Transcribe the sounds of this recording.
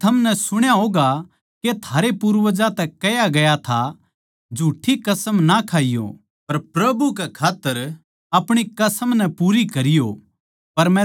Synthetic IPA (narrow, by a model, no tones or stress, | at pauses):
t̪ʰɐmnɛsʊɽ̃jaɦoːɡa | ket̪ʰaːɾepuːɾʋəd͡ʒat̪ɛkɐjaɡɐjat̪ʰa | d͡ʒʱuːʈʰikɐsəmnakʰaːijo̰ | pɐɾpɾɐbukɛkʰaːt̪ːəɾ | ɐpɽ̃ikɐsəmnɛpuːɾikɐɾɪjo | pɐɾmɛ̃